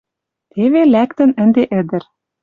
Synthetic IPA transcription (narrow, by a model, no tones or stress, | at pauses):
t̪eβelækt̪ə̆nɘ̆nd̪eʔɘ̆d̪ɘ̆ɾ